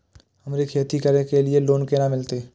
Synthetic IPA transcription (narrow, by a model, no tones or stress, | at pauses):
hɐmɾekʰeːt̪ikəɾekelieloːnkeːnamɪlt̪e